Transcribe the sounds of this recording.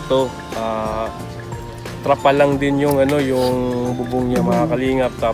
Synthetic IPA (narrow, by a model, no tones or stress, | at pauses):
t̪o̞ | ʔa | t̪ɾɐpɐlɐŋd̪ɪnjʊŋɐno̞jʊŋbʊbʊŋɲɐmɐŋakɐliːŋɐp̚t̪a